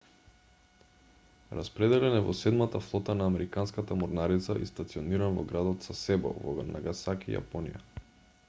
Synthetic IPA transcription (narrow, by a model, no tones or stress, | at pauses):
ɾaspɾɛd̪ɛlɛnɛvɔsɛd̪mat̪aflˠɔt̪anaːmɛɾikanskat̪amɔɾnaɾit̪saʔḭst̪at̪siɔniɾanvɔ̰ɡɾad̪ɔt̪sasɛbɔ̰vɔ̰anʔaɡasakḭja̰pɔnḭja̰